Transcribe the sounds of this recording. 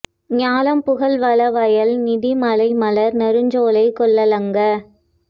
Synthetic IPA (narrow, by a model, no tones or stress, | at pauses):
ɲaːlɐmpʊɣɐlʋɐlɐʋɐjɐlnɪðimɐlɐɪmɐlɐɾnɐɾɯɲd͡ʒoːlɐɪkːɔɭːɐlɐŋɡɐ